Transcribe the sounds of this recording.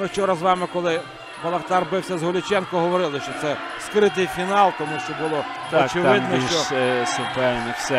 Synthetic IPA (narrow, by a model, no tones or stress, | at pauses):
mɪʃt͡ʃɔɾɐzʋɑmɪkɔlˠɪ | pɐlˠɐht̪ɑrbɪwsʲɐzɦʊlʲʊt͡ʃɛnkɔɦɔʋɔɾɪlˠɪʃt͡ʃɔt̪sɛ | skɾɪt̪ɪjfʲinɑlˠt̪ɔmuʃt͡ʃɛbʊlˠɔsɔt͡ʃɪʋɪd̪nʃt͡ʃɔsʊpɛwnɪxsɛ